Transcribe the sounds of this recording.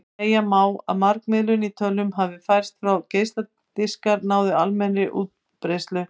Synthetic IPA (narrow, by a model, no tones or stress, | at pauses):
eːjamaːwa̰ðmaɾkmɪðlʏnit̪ʰœlːʏmɦavvɪfajr̥st̪fɾawceːjst̪la | t̪ɪskaɾnaːwðɪalmɛnɾɪʔṵːt̪̚ | pɾejst̪lʏ